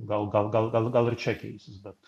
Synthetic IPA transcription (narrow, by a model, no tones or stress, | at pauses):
ɡalˠɡalˠɡalˠɡalˠɡalˠiɾt͡ʃʰɛkḭjsbɛt̪